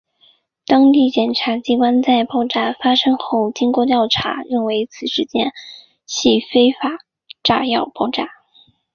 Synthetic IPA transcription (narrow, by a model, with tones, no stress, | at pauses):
t̪ɑ˥ŋt̪i˥˩t͡ɕjɛ˨˩nʈ͡ʂʰa˧˥t͡ɕi˥kwa˥nt͡sa˥˩ɪpɑ˥˩ʊʈ͡ʂa˥˩fa˥ʂɤ˥ŋxo˥˩ʊt͡ɕi˥ŋkwɔ˥˧t̪jɑ˥˩ʊʈ͡ʂʰa̰˧˥i˥˩ŋwe˧˥ɪt͡sʰɹ̩˨˩ʂɻ̩˧˥t͡ɕjɛ̰˥n | ɕi˥˩fe˥ɪfa˨˩ | ʈ͡ʂa˥˧jɑ˥˧ʊpɑ˥˧ʊʈ͡ʂa˥˩